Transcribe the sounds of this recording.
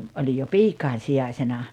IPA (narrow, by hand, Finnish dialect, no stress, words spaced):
olʲij jo piːkɑin̞ sijɑisenɑ